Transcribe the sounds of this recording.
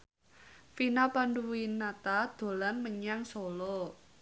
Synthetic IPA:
finapanduwinat̪ad̪̥o̤lanməɲaŋsɔlɔ

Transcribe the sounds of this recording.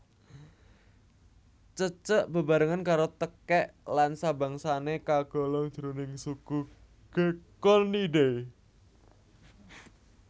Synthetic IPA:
t͡ʃət͡ʃəʔb̥ə̤baɾəŋankaɾot̪əkɛʔlansaba̤ŋsanekaɡ̥ɔ̤lɔŋ̥d͡ʒ̥əɾonɪŋsuku | ɡ̥ekɔniɖe

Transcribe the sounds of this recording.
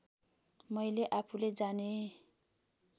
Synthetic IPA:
mʌjleʔapʰuled͡zane

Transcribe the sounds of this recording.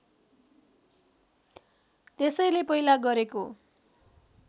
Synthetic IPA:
t̪esʌjlepʌilaɡʌɾeko

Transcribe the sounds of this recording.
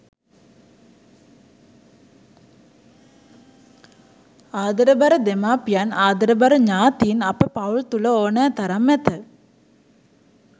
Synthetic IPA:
aːd̪əɾəbaɾəd̪emaːpijanaːd̪əɾəbaɾəɲaːt̪iːnapəpawɭt̪uləoːnɛːt̪aɾamːɛt̪ə

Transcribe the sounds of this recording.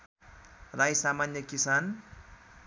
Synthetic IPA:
rajsamanjʌkisan

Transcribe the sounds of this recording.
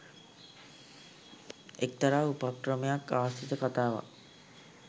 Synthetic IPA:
ek̚t̪aɾaːupakɾəmejakːaːʋst̪it̪əkat̪aːʋa̰

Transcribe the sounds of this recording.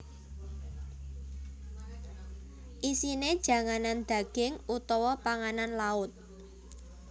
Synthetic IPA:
ʔisined̥ʒ̥ä̤ŋanand̪̥a̤ɡ̥ɪŋʔut̪ɔwɔpaŋananlaʊt̪̚

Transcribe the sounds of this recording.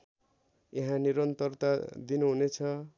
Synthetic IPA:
jeɦãniɾʌnt̪ʌrt̪ad̪inuɦunet͡sʰʌ

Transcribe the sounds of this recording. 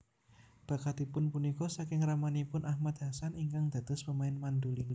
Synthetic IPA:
b̥ä̤kad̪̥i̤pʊnpunikɔsakɪŋramanipʊnʔahmat̪̚ɦasaniŋkaŋd̪̥a̤d̪̥ʊspəmaɪnmand̪uliŋl

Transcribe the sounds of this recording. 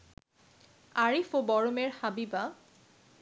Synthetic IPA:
aɹifobɔɹomeɹhabiba

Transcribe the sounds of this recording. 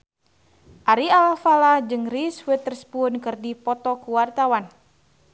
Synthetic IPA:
ʔaɾialafalad͡ʒɨŋriswit̪ərspunkɨrdipɔt̪ɔkuwart̪awan

